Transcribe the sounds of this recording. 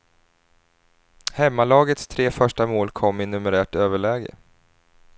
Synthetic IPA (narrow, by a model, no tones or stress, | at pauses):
hɛmːalɑːɡət̪st̪ʰɾeːfœʂʈamoːlkʰɔmːɪnɵməɾæːʈøːvəɭɛːɡə̰